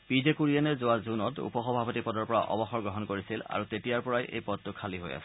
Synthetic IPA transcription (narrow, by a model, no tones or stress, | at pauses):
pizekuɹiɛnɛzʊwazunɔtṵpɔxɔbʱapɔtipɔdɔɹpɔɹa̰ʔɔ̰bɔxɔɹɡɹɔɦɔnkoɹisila̰ɹutetijaɹpɔɹajʔḛjpɔd̚tʊkʰaliɦo̰ja̰sɛ